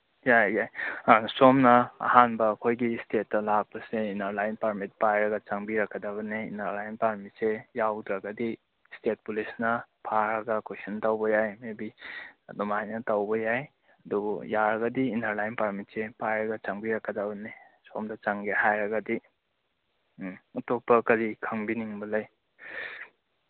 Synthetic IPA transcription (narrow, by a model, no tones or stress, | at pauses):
jajajsomnɐɐ̰hanbɐːkʰojɡistʰetːɐlak̚bɐseinɐɾlajnpaɾmit̚pajɾɐɡɐt͡ʃaŋbiɾɐkːɐdabɐniḭnɐɾlajnpaɾmitsejawdɾɐɡɐdi | stet̚pulisnɐpʰaɾɐɡɐkosɐntawbɐjajmebiɐ̰dɔmajnɐtawbɐjaj | ɐdubṵjaɾɐɡɐdiːnaɾlajnpaɾmitsepajɾɐɡɐt͡ʃaŋbiɾakːadabɐne | so̰mdɐt͡ʃaŋɡehajɾɐɡɐdi | ɐtopːɐkɐɾikʰɐŋbiniŋbɐlɐj